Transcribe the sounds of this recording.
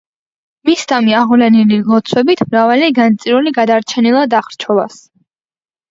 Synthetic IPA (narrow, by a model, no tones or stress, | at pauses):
misd̪amiaʁvlɛnililˠɔt̪sʰwɛbit̪ʰmɾavaliɡant̪sʼiɾuliɡad̪aɾt͡ʃʰɛnilˠad̪aχɾt͡ʃʰɔva̰s